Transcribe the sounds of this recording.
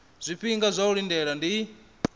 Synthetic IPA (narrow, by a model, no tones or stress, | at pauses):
z̥ʷipiŋɡazʷaulindɛɺandi